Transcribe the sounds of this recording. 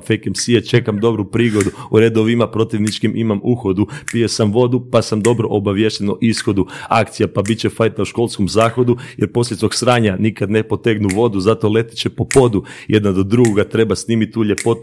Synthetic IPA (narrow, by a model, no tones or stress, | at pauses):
fejkemsiet͡ʃe̞kamd̪o̞bɾupɾiːɡo̞d̪uuɾed̪oʋimapɾo̞t̪iʋnit͡ʃkimʔimamuxo̞d̪upije̞samʋo̞d̪upasamd̪o̞bɾo̞̰ʔobaʋje̞ʃt̪enoʔisxo̞d̪uakt̪sijapabit͡ɕefajt̪auʃko̞lˠskomzaːxo̞d̪ujeɾpo̞slʲesoɡsɾaːɲanikad̪nepo̞t̪eɡnuʋo̞d̪uzat̪o̞le̞t̪i̥t͡ɕepo̞po̞d̪ujʔe̞d̪nad̪o̞d̪ɾuɡoɡat̪ɾe̞basniːmit̪ːuʎe̞po̞t̪